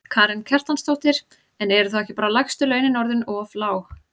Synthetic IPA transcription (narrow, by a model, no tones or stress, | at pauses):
kʰaːɾɪncʰɛr̥t̪anst̪owht̪ɪɾ̥ | ɛnɛɾʏθaðɛhcɪ̥paːɾalajxst̪ʏlœːɥnɪnɔɾðɪnɔflaːwx